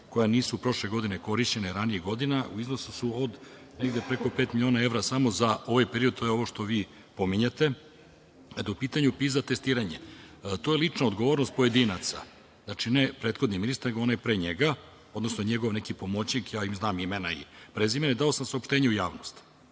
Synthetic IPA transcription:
ko̞janiːsupɾo̞ʃleɡo̞d̪ineko̞ɾiʃt͡ɕe̞neɾaniiɡo̞d̪inaʔuiznosusuod̪ | neɡd̪e̞pɾe̞ko̞peːt̪milʲioːnae̞ʋɾasamo̞zao̞ʋajpeɾiod̪̚t̪ojeo̞ʋoʃt̪o̞ʋiː | po̞miɲat̪e̞ | ad̪aupiːt̪aɲupiːzat̪e̞st̪iːɾaɲet̪o̞ːjelˠit͡ʂnaod̪ɡoʋoːɾnost̪poje̞d̪inat̪sa̰ | znat͡ʃinepɾe̞ːt̪xo̞d̪niminist̪ɾneɡoonajepɾeɲeɡa | o̞d̪no̞snoɲeɡo̞ʋne̞kipo̞mot͡ɕnikjaːimznaːmimenaḭpɾezimened̪aosamsaopʃt̪eːɲeujaːʋnost̪

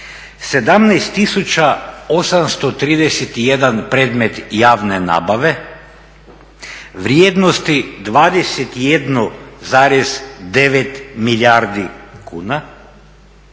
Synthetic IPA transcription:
sed̪amnɛjst̪ːisut͡ʃaosamst̪ot̪ɾiːd̪eset̪ijed̪anpɾed̪met̪jaːʋnena̰ːbaʋe | ʋɾjeːd̪nost̪id̪ʋaːd̪eset̪ijed̪nozaːɾezd̪eʋet̪miʎʲaɾd̪ikʰuːna

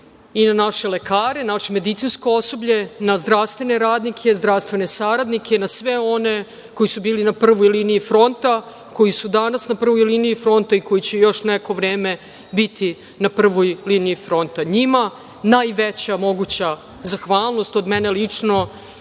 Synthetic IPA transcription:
inanaʃe̞lekaːɾe̞naʃeme̞d̪it̪sinskoo̞so̞bʎe̞nazd̪ɾaʋst̪vʋe̞ne̞ɾaːd̪nikʰe̞zd̪ɾafst̪ʋe̞ne̞saɾad̪nikʰenasʋeo̞ne̞ | ko̞jisubiːlinapr̩ʋojliniifɾo̞nt̪a | ko̞jisud̪anasnapr̩ʋojliniifɾo̞nt̪aiko̞jit͡ɕejo̞ʂnɛko̞ʋɾeːme | bit̪ʰi | napr̩ʋojliniifɾo̞nt̪aɲima | najʋet͡ɕamo̞ɡut͡ɕa | zaxʋaːlˠnost̪od̪mɛne̞lit͡ʂno̞

